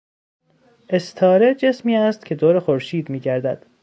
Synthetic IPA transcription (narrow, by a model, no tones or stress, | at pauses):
ʔe̞st̪ʰɒːɾe̞d͡ʒe̞smiːæst̪cʲʰe̞d̪oːɾexoɾʃiːd̪miːɟæɾd̪æd̪̥